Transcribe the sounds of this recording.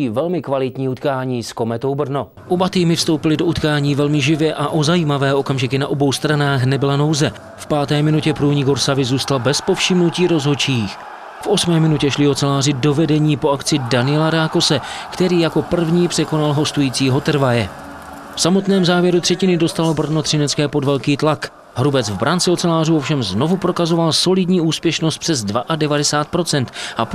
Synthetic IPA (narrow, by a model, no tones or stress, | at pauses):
iːvɛlmɪkvalɪt̪ɲiːut̪kaːɲiːsko̞mɛt̪o̞wbr̩no̞ | ʔobat̪iːmɪfst̪o̞wpɪlɪdo̞ʔut̪kaːɲiːvɛlmɪʒɪvjɛʔaʔo̞zajiːmavɛːʔo̞kamʒɪkɪnaʔo̞bo̞wst̪ɾanaːxnɛbɪlano̞wzɛ | fpaːt̪ɛːmɪnucɛpɾuːɲiːɡoɾsavɪzuːst̪albɛspo̞fʃɪmnuciːɾo̞zɦo̞t͡ʃiːx | fʔo̞smɛːmɪnucɛʃlɪo̞t͡sɛlaːrɪdo̞vɛdɛɲiːpoʔakt͡sɪdanɪjɛlaɾaːko̞sɛkt̪ɛɾiːjako̞pr̩vɲiːpr̝̥ɛko̞nalɦo̞st̪ujiːt͡siːɦo̞t̪r̩vajɛ | fsamo̞t̪nɛːmzaːvjɛɾut̪r̥ɛcɪnɪdo̞st̪alo̞br̩not̪r̥ɪnɛt͡skɛːpo̞dvɛlkiːt̪lak | ɦɾubɛt͡svbɾʔant͡sɪot͡sɛlaːruofʃɛmzno̞vupɾo̞kazo̞valso̞lɪdɲiːʔuːspjɛʃnost̪pr̥ɛzdvaʔadɛvadɛsaːt̪̚pɾo̞t͡sɛnt̪ʔap